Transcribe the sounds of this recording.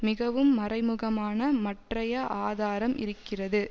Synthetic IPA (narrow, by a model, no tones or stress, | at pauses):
mɪɣɐʋɯmːɐrɐɪmɯɣɐmaːnɐmɐʈrɐjɐʔaːðaːɾɐmʔɪ̰ɾɯkːɪrɐðɯ